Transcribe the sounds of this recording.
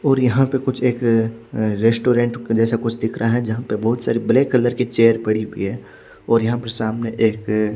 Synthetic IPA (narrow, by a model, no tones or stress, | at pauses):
ɔːɾjɐɦãpekʊt͡ʃʰeːk | ɾeːsʈoːɾẽːɳʈd͡ʒɛːsakʊt͡ʃʰd̪ɪkʰɾʔaɦɛd͡ʒɐɦãpebɐɦʊt̪saːɾibɐlekəlːəɾket͡ʃeːəɾpɐɽiɦḭɦɛ | ɔːɾjɐɦãpɐɾsaːmneʔeːk